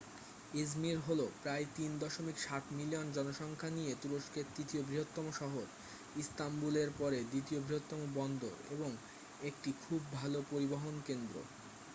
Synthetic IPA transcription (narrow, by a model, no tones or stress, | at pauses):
id͡ʑmiɾɦolopɾaet̪ind̪ɔʃomikʃaʈmilijond͡ʑɔnoʃɔŋkʰanijet̪uɾoʃkeɾt̪ɾit̪iobɾiɦot̪ːɔmoʃɔɦoɾ | ist̪ambuleɾpɔɾed̪it̪iobʱɾiɦot̪ːɔmobɔnd̪o̰ɾeboŋ | ek̚ʈikʰubːʱalopoɾiboɦonkend̪ɾo̰